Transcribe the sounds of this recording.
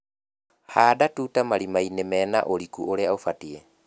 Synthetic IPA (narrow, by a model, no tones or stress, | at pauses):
haːdatuːtamaɾimainemɛːna̰ʔoɾikuoɾeaofatiɛ